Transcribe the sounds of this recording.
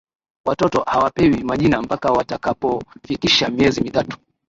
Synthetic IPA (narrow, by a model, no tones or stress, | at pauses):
watɔtɔhawapɛwimaʄinam̩pakawatakapɔfikiʃamiɛzimitatu̥